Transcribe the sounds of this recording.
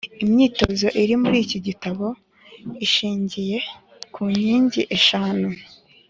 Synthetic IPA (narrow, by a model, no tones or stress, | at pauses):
imɲiːto̞zo̞ʔiɾimuɾiːciɟitaβo̞ | iʃiːɲɟije̞ | kʰuɲiːɲɟiʔe̞ʃaːnu